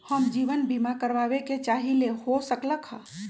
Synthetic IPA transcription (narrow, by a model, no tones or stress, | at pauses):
həmd͡ʒiːʋənbimakəɾʋaːweket͡ʃaːɦilehosəkləkhã